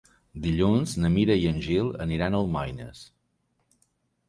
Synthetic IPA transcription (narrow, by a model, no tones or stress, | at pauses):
d̪iʎunznəmiɾəjənʲʒilˠə̰niɾanəlˠmajnə̰s